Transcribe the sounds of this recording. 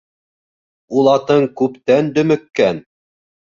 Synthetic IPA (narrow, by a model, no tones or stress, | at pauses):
ulˠɑt̪ɤɴkʉpt̪ænd̪ɵ̆mɘ̆kːæn